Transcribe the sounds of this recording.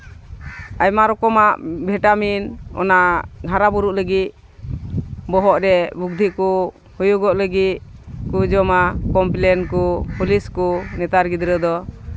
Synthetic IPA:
ajmaɾɔkɔmaʔbʱɛʈaminɔ̰naʔɡʱaɾabuɾuʔləɡit̪̚ | bɔɦɔʔɾɛbuɡ̚d̪ʱiku | hujuɡɔʔləɡit̪̚kud͡ʒɔmakɔmplɛnkɔpuliskɔnɛt̪aɾɡid̪ɾəd̪ɔ

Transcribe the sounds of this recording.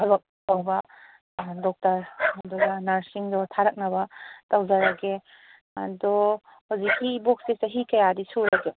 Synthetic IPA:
abɐp̚pawbɐ | dɔk̚tɐɾadɔɡanaɾsiŋdɔtʰaɾɐk̚nabatawzaɾaɡe | a̰dɔ | hawzikʰːibɔk̚sesaɦikɐjadisuɾaɡe

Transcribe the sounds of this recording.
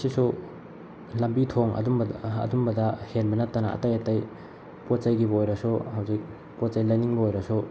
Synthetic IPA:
sisu | lɐmbitʰoŋɐ̰dumbɐ̰dumbɐdɐhenbɐnɐtːɐnɐɐ̰tɐjɐtaj | pot̚t͡ʃajɡibɐojɾɐsuhɐwzik̚ | pot̚t͡ʃajlajniŋbɐojɾɐsu

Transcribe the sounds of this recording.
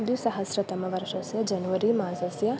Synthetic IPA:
d̪jusɐɦɐsɾɐt̪ɐmɐʋɐɾʃɐsjɐd͡ʒɐnuʋɐɾimaːzɐsjɐ

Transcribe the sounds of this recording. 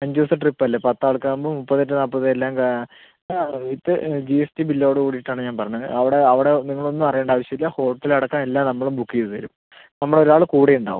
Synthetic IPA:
ɐɲd͡ʑiʋɐsɐʈripːɐlːɐpɐt̪ːaːɭkambomupːɐðːɐt̬ːɨnaːpːɐðɨelːaːmka | it̪ːɨd͡ʑiesʈibilːɐoɽɨkuːɽiʈːaːɳɨɲaːnpɐrɐɲːɐɐʋiɽeɐʋiɽe̞niŋːɐɭo̞nːumɐrɐjeːɳɖaːʋɐɕjɐmilːɐho̞ːʈːilɐɽɐkːamelːaːmnɐmːɐɭumbukːijðɨt̪ɐ̰ɾum | nɐmːɐɭo̞ɾuaːɭɨkuːɽiuɳɖa̰ːʋum

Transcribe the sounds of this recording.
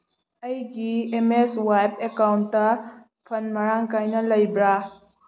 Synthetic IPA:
ɐjɡiemeswajpekawntːɐ | pʰɐnmɐɾaŋkajnɐlɐjbɾa

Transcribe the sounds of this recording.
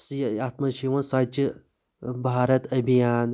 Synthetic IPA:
sat̪mɐʃiwɐnsat͡ʃi | baːɾɐt̪ɐbʱijaːn

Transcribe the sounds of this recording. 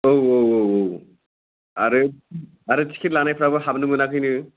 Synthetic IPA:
owowowow | aɾɯ | aɾɯt͡ʃʰi̥kʰitlanajpʰɾabɯɦabnɯmɯnakʰɯjnɯ

